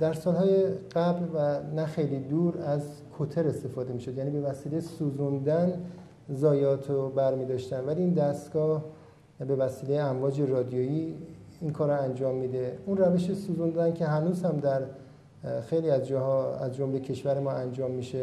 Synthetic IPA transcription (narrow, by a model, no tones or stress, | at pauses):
d̪̥æɾsɒːlhɒːjeɢ̥æblvænæxe̞jliːd̪uːɾæz | kʰot̪ʰe̞ɾe̞st̪e̞fɒːd̪e̞miːʃo̞d̪jæːniːbe̞væsiːle̞jesuːzund̪æn | zɒːjɒːt̪ʰobæɾmiːd̪ɒːʃt̪ænvæliːnd̪æst̪ɡ̥ɒːh | be̞væsiːle̞jeæmvɒːd͡ʒe̞rɒːd̪ijojiːinkʰɒːɾoænd͡ʒɒːmːid̪e̞unræve̞ʃesuːzund̪æncʰe̞ɦænuːzhæmd̪æɾ | xejliːæzd͡ʒɒːhɒːæzd͡ʒomle̞cʰe̞ʃvæɾemɒːænd͡ʒɒːmːiʃe